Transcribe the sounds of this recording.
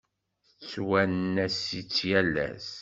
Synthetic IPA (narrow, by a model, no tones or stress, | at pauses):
θət͡sːwænnːæsit͡sːjælæ̰s